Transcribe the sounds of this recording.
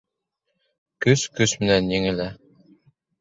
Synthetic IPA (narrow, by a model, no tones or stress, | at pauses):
kɵskɵsmɘ̆nænjɘ̆ŋɘ̆læ